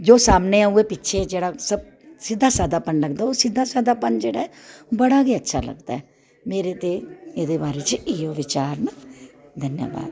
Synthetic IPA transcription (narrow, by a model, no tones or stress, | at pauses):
d͡ʒoːsaːmneːãːueːpɪtːʃʰeːd͡ʒeːɽaːsəb̚ | sɪd̪ːaːsaːd̪aːpənləɡd̪aːoːsɪd̪aːsaːd̪aːpənd͡ʒeːɽaːɛːoːbəɽaːɡiːətːʃʰa̰ːlə̰ɡd̪a̰ːɛ | meːɾeːt̪eːeːd̪eːbaːɾeːt͡ʃɪoːʋɪt͡ʃaːɾnaːd̪ʱənja̰ːba̰ːd̪